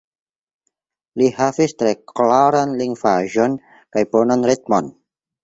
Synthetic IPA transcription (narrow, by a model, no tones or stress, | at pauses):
lihavistɾeklaɾanliŋvaʒɔn | kajponɔnɾit̪̚mɔn